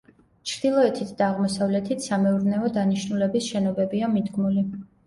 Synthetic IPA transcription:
t͡ʃʰɾd̪̥ilˠɔɛt̪ʰit̪ʰd̪aːʁmɔsavlɛt̪ʰit̪ʰsamɛuɾnɛɔd̪aniʃnulɛbisʃɛnɔbɛbiamid̪ɡmuli

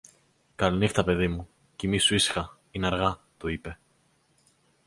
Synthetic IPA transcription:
kɐlinixt̪ɐpe̞ðimu | cimisuisxɐ | inɐɾɣɐ | t̪oipe̞

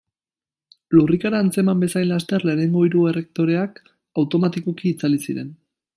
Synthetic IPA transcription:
lurikaɾaːnt͡se̞mambe̞sajnlast̪e̞ɾle̞ːne̞ŋɡo̞iɾue̞re̞k̚t̪o̞ɾe̞ak | awt̪o̞mat̪iko̞kiːt͡salisiɾe̞n

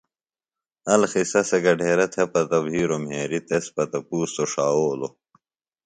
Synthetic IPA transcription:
ɐlxisɐseɡɐɖʱeːɾɐt̪ʰɐpɐt̪ɐbɦiːɾomɦeːɾit̪espɐt̪ɐpuːst̪oʂaːoːlo

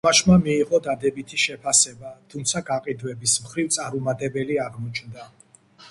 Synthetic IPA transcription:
aʃmamiːʁɔd̪ad̪ɛbit̪ʰiʃɛpʰasɛbat̪ʰumt̪sʰaɡaqʼid̪wɛbismχɾivt̪sʼaɾumat̪ʼɛbɛliaʁmɔt͡ʃʰnd̪a

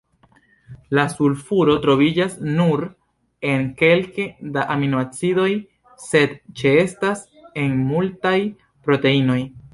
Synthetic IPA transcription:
lasulfuɾo̞tɾo̞vid͡ʒasnuɾ | e̞nke̞lkedaʔaminuat͡sido̞j | se̞dt͡ʃeestas | e̞nmultaj | pɾo̞te̞ino̞j

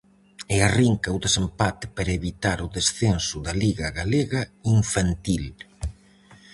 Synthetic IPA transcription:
ɪariŋkɐuðesempat̪ɪ̥paɾɐeβit̪aɾʊðesθensʊðaliɣɐɣaleɣɐiɱfant̪il

